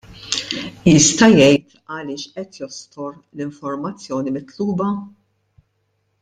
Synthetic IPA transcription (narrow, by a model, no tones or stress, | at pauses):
jɪst̪ɐjɛjt̪ | ɐlɪːʃʔɛt̪jɔst̪ʰɔɾ | lɪɱfɔɾmɐt͡sːjɔːnimɪt̪luːbɐ